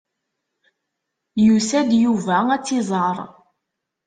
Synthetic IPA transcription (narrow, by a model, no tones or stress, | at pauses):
jusæd̪juvææt͡sːizˤəɾˤ